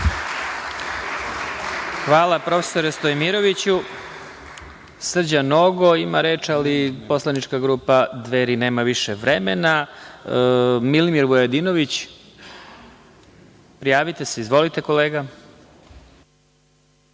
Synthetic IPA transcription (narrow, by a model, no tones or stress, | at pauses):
xʋaːlˠapɾo̞fe̥soɾest̪ojmiɾo̞ʋit͡ɕu | sr̩d͡ʑanoɡo̞imaɾeːt͡ʃalipo̞slˠanit͡ʃkaɡɾuːpad̪ʋeːɾine̞ːmaʋiʃeʋɾemena | milimiɾbojad̪inoʋit͡ɕ | pɾijaːʋit̪e̞se̞izʋo̞lit̪e̞ko̞leːɡa